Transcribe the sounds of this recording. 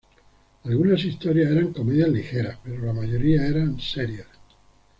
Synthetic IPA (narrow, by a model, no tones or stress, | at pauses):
alɣunasist̪o̞ɾjaeɾaŋko̞meðjazlixeɾaspe̞ɾolamaʝo̞ɾiaeɾanseɾjas